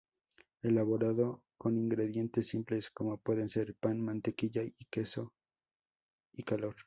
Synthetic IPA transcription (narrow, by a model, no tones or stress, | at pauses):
e̞laβo̞ɾaðo̞ | ko̞niŋɡɾe̞ðje̞nt̪e̞sːimple̞sko̞mo̞pwe̞ðe̞nse̞ɾpanmãnt̪e̞kiʝaike̞so̞ | ikalo̞ɾ